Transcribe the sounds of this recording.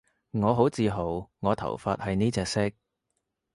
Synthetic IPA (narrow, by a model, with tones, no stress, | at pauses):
ŋɔː˨˧ɦo˨˥wt͡siː˨˧ɦo˨˩wŋɔː˨˧t̪ʰɐ̰˨˩wfaː˧t̚hɐ˨jniː˥t͡sɛː˧k̚sɪ˥k̚